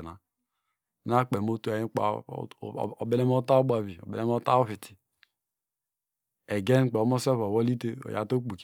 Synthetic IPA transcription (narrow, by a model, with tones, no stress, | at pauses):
na˨˦ | na˦k͡pe˨mo˦tu˦a˨ji˦k͡pa̰˨ | o˨be˦ne˦m˦o˦ta˦o˦ba˨vi˨o̰˨bḛ˨ne˦m˦o˦ta˦o˦fi˨ti̥˨ | e˨ɡe˦n˦k͡pe˨o˨˦mo˦se˦fo˨wo˦li˦te˦o̰˨ja̰˨to˦k͡pu˨k